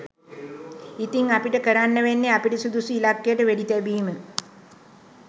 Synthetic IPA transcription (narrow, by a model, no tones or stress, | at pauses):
it̪iŋapiʈəkəɾanːəʋenːeapiʈisud̪usiːlakːejəʈəʋæɖit̪æbiːmə